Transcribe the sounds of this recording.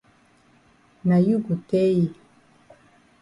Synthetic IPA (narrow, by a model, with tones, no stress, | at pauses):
na˨ju˦ɡu˨te˦ji˦